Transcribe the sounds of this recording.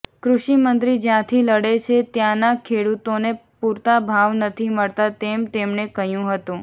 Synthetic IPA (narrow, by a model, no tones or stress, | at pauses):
kɾuʃimənt̪ɾid͡ʒjãt̪ʰiləɽet͡ʃʰet̪jãnakʰeɽut̪onepuɾt̪abʱaʋnət̪ʰiməɭt̪at̪emt̪emnekəɦjũɦət̪ũ